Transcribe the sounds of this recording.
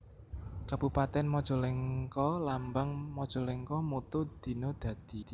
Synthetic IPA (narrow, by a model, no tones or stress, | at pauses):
kab̥upat̪ɛnmɔd̥ʒ̥ɔ̤leŋkɔlambaŋmɔd̥ʒ̥ɔ̤leŋkɔmut̪ud̪̥i̤nod̪̥ä̤d̪̥i̤